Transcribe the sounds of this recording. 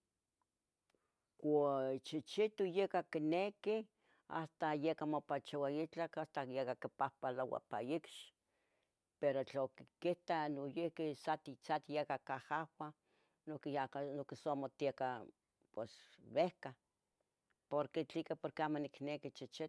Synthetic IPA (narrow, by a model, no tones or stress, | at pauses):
kʷot͡ʃit͡ʃit̪ujekakineki | a̰st̪ajekamopat͡ʃawait͡ɬakast̪ajekakipahpalawa̰pa̰jikʃ | peɾot͡ɬaokikiht̪anojehkisat̪it͡sat̪jekakahawa | nokaanokisomot̪ieka | pwesβehka | poɾket͡ɬikapoɾkeamoniknekit͡ʃit͡ʃit̪